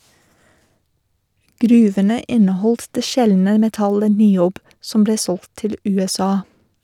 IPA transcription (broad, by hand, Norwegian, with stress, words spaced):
ˈɡɾʉːʋənə ˈɪnəˌhɔlt ˈdeː ˈʃɛlnə mɛˈtɑlə nɪˈoːb ˈsɔm ˈbleː ˈsɔlt ˈtɪl ˌʉːɛˈsɑː